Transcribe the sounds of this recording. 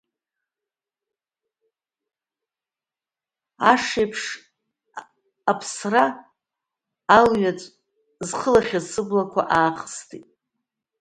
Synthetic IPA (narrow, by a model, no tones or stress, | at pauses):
aʂejpʰʂ | pʰsra | lɥat͡sʷʼ | zχəlaχʲazsɨblakʷʰa̰ʔaːχəstʰitʼ